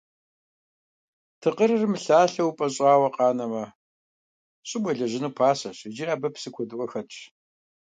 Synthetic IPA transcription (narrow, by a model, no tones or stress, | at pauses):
tʰɨqəɾɨrɨmɬaːɬɐwpʼɐɕʼɑːwɐqɑːnɐmɐ | ɕʼɪbʷɐɮɐʒɪnuːpʰaːsɐɕɪd͡ʒiɾaːbɐpsɨkʷʰɔdɨʔʷʼɔxɐt͡ʃʰʼ